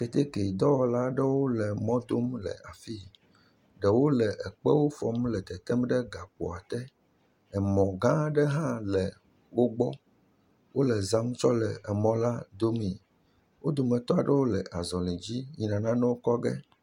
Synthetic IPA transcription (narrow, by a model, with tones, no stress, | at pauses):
kɛ˨t̪e˦ke˨d̪ɔ˦wɔ˦la˦ɖɛ˦wo˦lɛ˨mɔ̃˦d̪o˦mlɛ̰˨a˨fi˦ | ɖɛ˨wo˦lɛ˨ʔɛ˨k͡pɛ˦wo˦fɔ˦mlɛ˨t̪ɛ˨t̪ɛ˦mɖɛ˦ɡa˨k͡pɔ̰˨a˨t̪ɛ˦ | ɛ˨mɔ̃˨ɡã˦ɖɛ˦ɦã˦lɛ˨ | wo˦ɡ͡bɔ˦ | wo˦lɛ˨zã˦m˦t͡ʃɔ˦lɛ̰˨ɛ˨mɔ̃˦la˦d̪o˦mĩ˨ | wo˦d̪o˨mɛ̃˨t̪ɔ˦a˨ɖɛ˦wo˦lɛ˨ʔa˨zɔ̃˨lĩ˨d͡ʑi˦ɲi˨nã˨nã˦nɛ˦wo˦kɔ˦ɡɛ̰˦